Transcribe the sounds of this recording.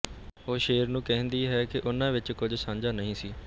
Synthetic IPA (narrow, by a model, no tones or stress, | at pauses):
ɦoːʃeːəɾnũːkɛɦə̃nd̪iːɦɛːkɪʔʊnãːʋɪt͡ʃkʊd͡ʒʱsãːɲd͡ʒaːnəɦĩːsiː